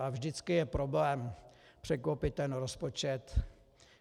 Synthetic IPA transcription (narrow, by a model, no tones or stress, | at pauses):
avʒdɪt͡skɪjɛpɾo̞blɛːmpr̝̥ɛkowpɪt̪ːɛnɾospot͡ʃɛt̪